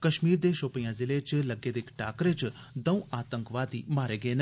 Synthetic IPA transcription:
kəʃmiːɾd̪eːʃoːpijãːzɪleːt͡ʃləɡːeːd̪ekʈaːkɾet͡ʃ | d̪əũːʔaːt̪əŋkʋaːd̪ḭːmaːɾeːɡəeːn

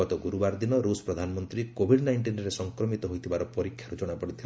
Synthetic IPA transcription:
ɔt̪ɔɡuɾubaɾd̪inɔɾusɔ̥pɾɔd̪ʱanɔmɔnt̪ɾikobʱiɖnajɳʈinɾesɔŋkɾɔmit̪ɔɦojt̪ʰibaɾɔpɔɾikʰjaɾud͡ʒɔɽ̃apɔɽit̪ʰil

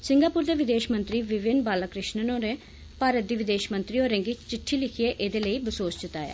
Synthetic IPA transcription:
sɪ̃ŋɡaːpuːɾd̪eːʋɪd̪eːʃmə̃nt̪ɾiːʋɪʋɪnbaːləkɾɪʃnənõːneː | paːɾət̪̚d̪iːʋɪd̪eːʃmə̃nt̪ɾioːɾɛ̃ːŋɡiːt͡ʃɪʈʰːiːlɪkʰieːʔeːd̪eːləiːbəsoːst͡ʃɪt̪a̰ːja̰ː

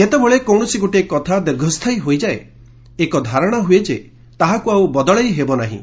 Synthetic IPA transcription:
et̪ebɔɭekɔwɽ̃ɔsiɡoʈekɔt̪ʰad̪iɾɡʱɔst̪ʰajɦojd͡ʒae | ekɔd̪ʱaɾɔɽ̃ɔɦued͡ʒe | t̪aɦakuawbɔd̪ɔɭajɦebɔnaɦḭ̃

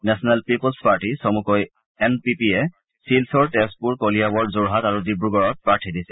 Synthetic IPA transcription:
nɛsɔnalpipɔlspaɹtisɔmukɔj | ɛmpipiɛ | silsɔɹtɛst̚puɹkolijabɔɹzuɹɦataɹudibɹuɡɔɹɔt̚pɹaɹtʰidisɛ̥

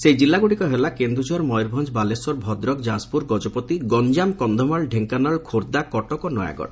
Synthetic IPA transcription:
sejd͡ʒilːaɡuɽikɔɦelakend̪ɾud͡ʒɔɾmɔjɾbʱɔnd͡ʒbalesɔɾbʱɔd̪ɾɔkd͡ʒaspuɾɡɔd͡ʒɔpɔt̪iɡɔnd͡ʒamkɔnd̪ʱɔmaɭɖʱeŋkanaɭkʰoɾd̪akɔʈɔkɔnɔja̰ɡɔ̰ɽ

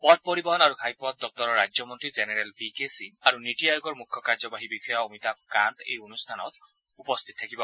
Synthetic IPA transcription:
pɔt̚pɔɹibɔɦɔnaɹukʰajpɔt̚dɔk̚tɔɹɔɹːad͡ʒɔmɔntɹizenɛɹɛlbikesiaɹunitiajoɡɔɹmukʰːɔkaɹzɔbaɦibixɔjɔomitakantḛjonustʰanɔ̰t | upɔst̪ʰit̚tʰːakibɔ

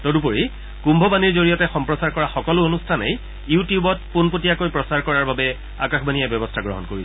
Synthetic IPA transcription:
todupoɹi | kumbʱɔbaniɹzoɹijɔtɛxɔmpɹɔsaɹkɔɹaxɔkɔlʊonustʰanḛj | jutijubɔt̚punpotijakojpɹɔsaɹkɔɹaɹbabɛ | akaxbanijabjɔbɔstʰaɡɹɔ̰ɦɔnkoɹi

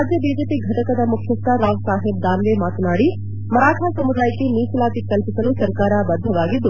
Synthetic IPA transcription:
d͡ʒjəbiːd͡ʒeːpiːɡʱɐʈɐkɐd̪ɐmʊkʰjəst̪aɾaːɡsaːɦɪb̚d̪aːnʋemaːt̪naːɽi | mɐɾaːʈʰasɐmud̪aːikemiːslaːt̪ikɐlpɪsɐlũsɐɾkaːɾabɐd̪ʱːɐʋaːɡid̪u

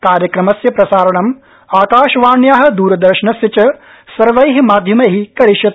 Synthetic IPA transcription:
kaːɾjɐkɾɐmɐsjɐpɾɐsaːɾɐɳɐm | aːkaːʃɐʋaːɳjaːɦɐ̆d̪uːɾɐd̪ɐɾʃɐɳɐsjɐt͡ʃɐ | sɐɾʋɐjɦimaːd̪ʱjɐmɐɦikɐɾiʃjɐt̪

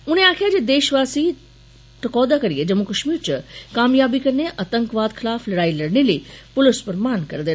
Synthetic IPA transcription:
ʊnẽaːkʰijad͡ʑed̪eːʃʋaːsi | ʈ̪ɐkɔːd̪akɐɾijed͡ʑɐmukɐʃmiːɾt͡ɕɐkaːmjaːbikɐɾneʔɐt̪ə̃ŋkʋaːd̪xʰɪlaːflɐɾaːilɐɽnĩliːpʊlɪspɐɾmaːnkɐɾd̪eː

